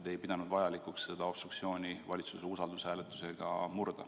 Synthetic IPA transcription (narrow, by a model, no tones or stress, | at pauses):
t̪e̞jpid̪ɑnud̪vɑjɑlikˑuksːe̞d̪̥ɑo̞b̥st̪ɾukt̪sio̞ːnʲivɑlʲit̪suseusɑld̪ushæːlet̪ːˑu̥se̞ɡ̥ɑ̰murd̪̥ɑ̰